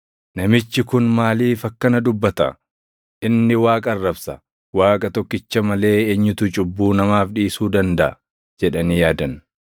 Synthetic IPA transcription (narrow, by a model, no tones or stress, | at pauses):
nɐmɪt͡ʃːɪkʊnmaːliːfɐkːɐnɐd̪ʊbːɐt̪ɐ̰ | ʔɪnːɪwaːkʼɐrːɐbsɐ | waːkʼɐt̪ɔkːɪt͡ʃːɐmɐle̞ːeɲːʊt̪ʊt͡ʃʼʊbːuːnɐmaːfᶑiːsuːd̪ɐnd̪ɐʔɐ̰ | d͡ʒɛᶑɐnijaːd̪ɐn